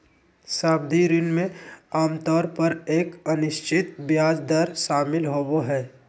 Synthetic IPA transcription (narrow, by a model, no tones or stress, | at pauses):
saːb̚d̪ʱiɾɪnmẽaːmt̪ɔːɾpəɾeːkənɪʃt͡ʃɪt̪bjaːd͡ʒd̪əɾʃaːmɪlɦoːboɦɛː